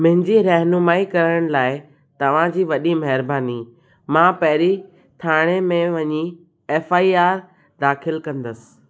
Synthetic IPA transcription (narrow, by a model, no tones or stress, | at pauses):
mʊ̃ɦɪ̃ɲd͡ʑiɾɐɦnʊmaːikɐɾəɽ̃laːɪ | t̪ɐʋ̤ãd͡ʑiːʋɐɗimɐɦɪɾbaːni | mãpɐɦɪɾi | t̪ʰaːɽ̃emẽʋɐɲi | eːfaːiaːɾ | d̪aːxɪlkɐ̃nd̪əsɪ̥̆